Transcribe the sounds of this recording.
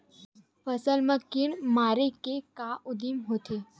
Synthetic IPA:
fəsəlməkːɪnmaːɾekekaːʔʊd̪imɦoːt̪ʰe

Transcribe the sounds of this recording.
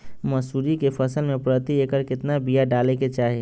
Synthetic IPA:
məsuɾikepʰəsəlmẽpɾət̪iekəɾkɪt̪nabijaɖaːleket͡ʃaːɦe

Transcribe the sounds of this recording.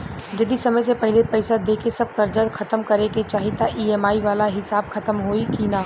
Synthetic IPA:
d͡ʒɐd̪isɐməjsepɛɦɪlepɛɪsad̪eːkʰesɐb̚kɐɾd͡ʒət̪xʰɐt̪əmkɐɾeket͡ʃaːɦit̪aʔiːɛːmaːiʋaːlaɦɪsaːbxɐt̪əmɦoːikinaː

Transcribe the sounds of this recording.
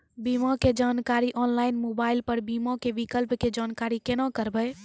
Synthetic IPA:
bimaked͡ʒaːnkaɾiʔɔnlaːɪinmobaːɪilpəɾbimakebikəlpked͡ʒaːnkaɾikenakəɾbəɪ

